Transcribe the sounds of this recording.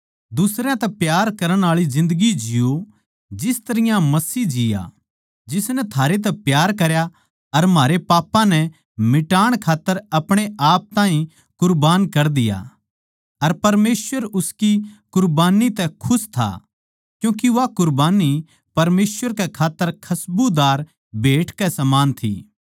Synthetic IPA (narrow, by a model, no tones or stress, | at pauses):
d̪ʊsɾjãt̪ɛpjaːɾkɐɾəɽ̃aːɭizɪ̃nd̪əɡid͡ʒɪjo | d͡ʒɪst̪ɐɾɪjãmɐsiːd͡ʒɪja̰ | d͡ʒɪsnɛt̪ʰaːɾet̪̬ɛpjaːɾkɐɾja | ɐɾmaːɾepaːpãnɛ | mɪʈaːɽ̃kʰaːt̪ːəɾɐpɽ̃eʔaːp̚t̪ãːɦĩ | kʊɾbaːnkɐɾd̪ɪja̰ | ɐɾpɐɾmeːsʋəɾʊskikʊɾbaːnit̪ɛkʰʊst̪ʰa̰ | kjũːkiʋakʊɾbaːni | pɐɾmeːsʋəɾkɛkʰaːt̪ːəɾkʰɐsbud̪aːɾ | bʱeːʈʰkɛsɐmaːnt̪ʰḭː